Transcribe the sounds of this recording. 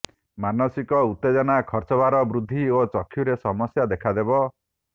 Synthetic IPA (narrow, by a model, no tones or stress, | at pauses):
manɔsikɔut̪ːed͡ʒɔnakʰɔɾt͡ʃɔbaɾɔbɾud̪ʱːiot͡ʃɔkʰːjuɾesɔmɔsjad̪ekʰad̪ebɔ